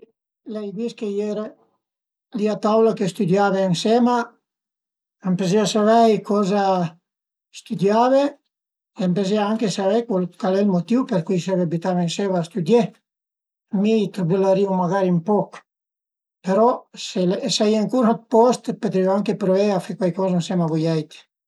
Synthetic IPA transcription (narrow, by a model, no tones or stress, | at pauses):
lɛjd̪iskejɛɾ | liat̪awlakest̪ud̪javensɛma | ampezeasavɛjkʰɔza | st̪ud̪jave | eampezeaaŋkesavɛjkwalkwalɛlmot̪iwpeɾkujsɛveabit̪avensɛvaːst̪ud̪je | amit̪ɾubelaɾiumaɣaɾimpɔk | peɾɔselsaiaaŋkuɾaat̪̚pɔst̪pot̪ɾioaŋkepɾoeafekwajkɔznsɛmavojɛjt̪e̥